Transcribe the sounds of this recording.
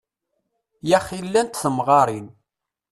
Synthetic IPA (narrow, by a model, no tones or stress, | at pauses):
jæχilːænt̪θəmʁɑɾˤin